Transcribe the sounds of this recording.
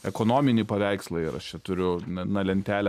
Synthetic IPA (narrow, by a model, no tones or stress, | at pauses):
ɛkoːnoːmʲɪnʲiːpɐʋʲæɪkslˠɐiɾɐ̰ʃt͡ʃʲɛt̪ʊɾʲʊnɐnɐlʲɛnʲt̪ʲæːlʲɛ